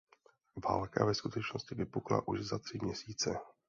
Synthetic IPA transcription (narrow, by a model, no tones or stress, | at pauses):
va̰ːlka̰vɛskut̪ɛt͡ʃno̞scɪvɪpukla̰ʔuʒzat̪r̝̥ɪmɲɛsiːt͡sɛ